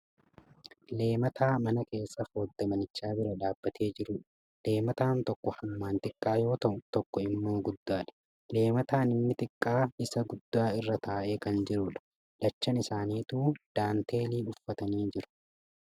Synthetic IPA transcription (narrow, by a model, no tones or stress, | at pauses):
le̞ːmɐt̪ʰaːmɐnɐke̞ːsːɐfo̞ːd̪ːɐmɐnɪt͡ʃːaːbɪɾɐd̪aːbːɐt̪ʰe̞ːd͡ʒɪɾʊːᶑɐ | le̞ːmɐt̪aːnt̪ɔkːɔhɐmːaːnt̪ɪkʼːaːjo̞ːt̪ɐʔʊt̪ɔkːɔɪmːo̞ːɡʊd̪ːaːᶑɐ̥ | le̞ːmɐt̪aːnɪmːɪt̪ɪkʼːaːɪsɐɡʊd̪ːaːɪrːɐt̪ʰaːʔe̞ːkɐnd͡ʒɪɾʊᶑɐ̥ | d̥̪ɐt͡ʃːɐnɪsaːniːt̪uːd̪̥aːnt̪e̞ːliːʊfːɐt̪ɐniːd͡ʒɪɾʊ̥